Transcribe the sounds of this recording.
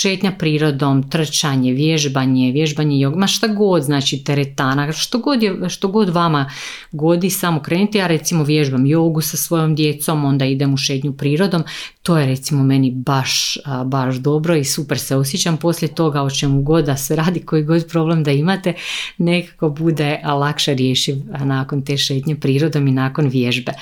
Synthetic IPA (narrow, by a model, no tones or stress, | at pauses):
ʃeːt̪ɲapɾiːɾo̞d̪o̞mt̪r̩t͡ʃaɲeʋjeʒbaɲeʋjeʒbaɲejoɡmaʃt̪aɡo̞d̪znaːt͡ʃit̪eɾet̪aːnaʃt̪oɡo̞d̪jeʃt̪o̞ɡo̞d̪ʋama | ɡo̞d̪isamokɾe̞ːnit̪ejaːɾe̞t̪simo̞ʋje̞ʒbamjo̞ːɡusasʋo̞jo̞md̪je̞t̪so̞mo̞nd̪aid̪emuʃeːt̪ɲupɾiːɾo̞d̪o̞mt̪o̞ːjeɾe̞t̪simo̞me̞nibaʃbaʃd̪o̞bɾo̞isupeɾseo̞s̬jet͡ɕampo̞slʎʲjet̪o̞ɡaot͡ʃemuɡo̞d̪d̪aseɾaːd̪iko̞iɡo̞d̪pɾo̞blemd̪aimat̪e̞ne̞kḁko̞bud̪elˠakʃeɾjeːʃiʋnaːko̞nt̪e̞ːʃe̞ːt̪ɲepɾiːɾo̞d̪ominaːko̞nʋjeʒbe